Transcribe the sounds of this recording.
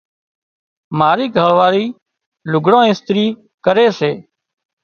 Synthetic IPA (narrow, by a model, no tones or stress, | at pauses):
maːɾiːɡʱəɭʋaːɾiː | lʊɡɽãːɪst̪ɾiː | kəɾeːseː